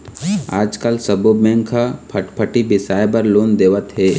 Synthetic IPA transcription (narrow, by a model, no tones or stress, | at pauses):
aːd͡ʒkəlsɐbobɛ̃ːŋɡkʰapʰɐʈpʰəʈibɪsaːebəɾloːnd̪eːʋət̪ɦɛː